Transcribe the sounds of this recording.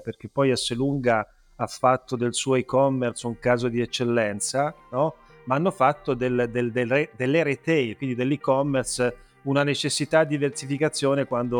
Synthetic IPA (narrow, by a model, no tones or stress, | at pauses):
perk̟epːɔjasːeluŋɡa | afːat̪ʰːod̪elsuɔoikɔmːersuŋkaːzod̪iet͡ʃːelːɛnt̪sanɔ | maanːofat̪ːod̪eld̪eld̪eed̪elːeɾet̪ɛjkwind̪id̪elːikɔmːers | unanet͡ʃesːit̪ad̪ːiversifikat̪sːjoːnekwand̪o